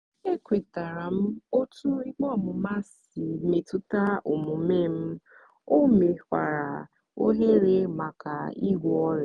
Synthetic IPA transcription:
e˦kʷe˨ta˨ɾa˨m̩˦o˦tu˦i˦ɡ͡bɔ˦˨mʊ˨ma˦s | i˨me˨tu˦ta˦o˨mʊ˨˦me˦m̩˦ | o˦me˨kʷa̰˨ɾa˨ | o˦ɦe˦ɾe˦ma˨ka˨i˦ɡʷɔ˦ɔ˦ɾ

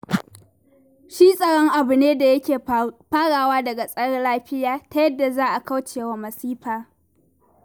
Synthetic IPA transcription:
ʃiː˦sʼɐ˨ɽɔ˦ŋʔa˨bʊ˨neː˦da˨jɐ˦kʲeː˨ɸaː˦ɽaː˨waː˦dɐ˨ɡa˨sʼɐ˦ɽɐ˦laː˦ɸɪ˦jaː˨ta˦jɐ˦dːa˨zaː˦ʔa˨ka˦wt͡ʃeː˨wa˦mɐ˨siː˦ɸaː˨

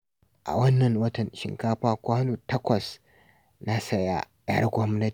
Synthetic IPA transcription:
ʔa̰˨wɐ˦nːɐ˨ŋwɐ˦tɐ˨nʃɪ̰˨ŋkaː˦ɸaː˦kʷaː˦luː˨tɐ˦kʷɐ˨s | na˦sɐ˦ja̰˦ɐ̰˦rɡʷɔ˦mnɐ˦

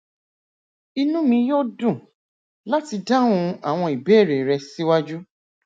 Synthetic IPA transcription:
i˧nũ˦mĩ˧jo˦dũ˦˨ | la˦ti˧da˦wũ˧a˨w̃ɔ̃˧i˨be˦˨ɾe˨ɾɛ˧si˦wa˦d͡ʒu˦

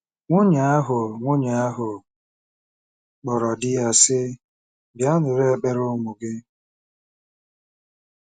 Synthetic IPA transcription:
ŋʷʊ˦ɲa˨a˦ɦʊ˨ŋʷʊ˦ɲa˨a˦ɦʊ˨ | k͡pɔ˨ɾɔ˨dɪ˦ja˦sɪ˦ | bja˦nʊ˨ɾe˦˨k͡pe˦ɾʊ˦mu˨ɡɪ˦

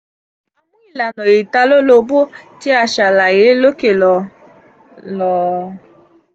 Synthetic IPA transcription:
a˨mʊ˦i˨la˨nɔ˨ji˨ta˧lo˦lo˧bo˦ti˦a˨ʃa˨la˨e˨˦lo˦ke˨lɔ˨ | lɔ˨

